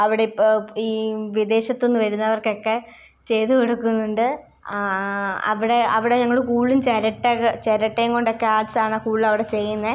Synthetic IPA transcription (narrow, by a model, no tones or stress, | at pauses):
ɐʋiɽeiːʋid̪e̞ːɕɐt̪ːo̞nːɨʋɐɾunːɐɐʋɐrkeokːe̞ | t͡ɕe̞jt̪ukeɽukːunːuɳɖɨ | ɐ̰ʋiɽe̞ɐʋiɽe̞ɲɐŋːɐɭkuːɭːint͡ɕɐɾɐʈːaɣɐt͡ɕeɾɐʈːejŋko̞ɳɖokːeaːɖsaːɳɐkuːɭilɐʋiɽe̞t͡ɕe̞jːunːɐe